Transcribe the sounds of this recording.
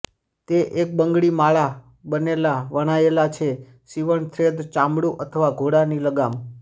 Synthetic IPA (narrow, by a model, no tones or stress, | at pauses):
t̪eʔek̚bəŋɡɭimaɭa | bənelaʋəɽ̃aelat͡ʃʰe | siʋəɳt̪ʰɾed̪t͡ʃãmɽuʔət̪ʰəʋaɡʱoɽaniləɡam